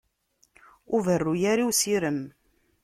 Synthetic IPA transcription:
ʊvərːujæɾiwsiɾəm

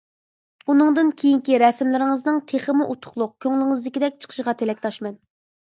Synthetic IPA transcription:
unɨŋd̪ɨnkʲʰejiŋkʲiɾɛsmlɪɾɪŋəznɨŋt̪ʰeχəmuʔut̪ʰʊ̥χlˠʊq̚kʲʰøŋlɪŋɨzlɪkʲid̪ɛk̚ʲt͡ʃʰə̥qʰə̥ʃʁɑt̪ʰelɛkʲt̪ʰɑʃmɛn

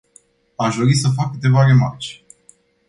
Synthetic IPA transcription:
aʃd̪o̞ɾisəf̬akːɨt̪e̞vare̞ma̰rt͡ʃ

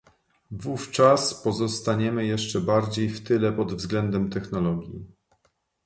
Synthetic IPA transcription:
vuft͡ʂaspɔzɔst̪aɲɛmɘjɛʂt͡ʂɛbaɾd͡ʑejft̪ɘlɛpɔd̪vzɡlɛnd̪ɛmt̪ɛxnɔlɔɡʲjḭ

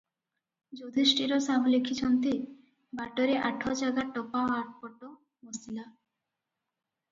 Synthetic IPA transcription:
d͡ʑod̪ʱisʈiɾosablekʰːit͡ɕʰɔnt̪i | baʈoɾeʔaʈʰːɔt͡ɕaɡaʈɔpaoaɾʈpɔʈːo | mosila

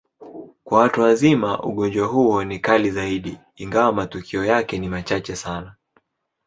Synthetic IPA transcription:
kwawatuwazimaʔṵɠɔɲd͡ʒwaɦuɔnikalizaiɗiː | ŋɡawamatukʰiɔjakɛnimat͡ʃat͡ʃɛsana

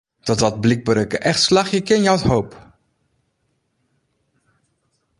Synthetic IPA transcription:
d̥ɔtɑt̚blik̚bəɾəkəʔɛχtslɑχjəkɪnjawthowp

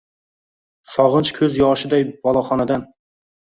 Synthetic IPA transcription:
sɑʁɨnt͡ʃkʲʰøzjɑʃɪd̪ɛjbɑlˠɑχɑnɛd̪ɛn

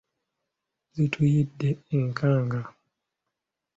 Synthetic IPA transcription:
zitʰujideiŋkʰãŋɡa

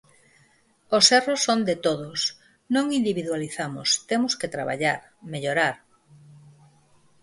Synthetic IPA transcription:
osɛrosːond̪et̪oðʊs | nõŋind̪iβiðwaliθamʊ̰st̪emʊsket̪ɾa̰βa̰ʎaɾ | meʎoɾaɾ

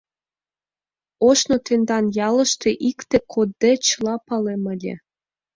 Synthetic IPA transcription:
oʃnot̪end̪ɑnjɑlə̆ʃt̪eʔikt̪ekʰod̪ːet͡ɕəlɑpɑlemə̆lʲḛ

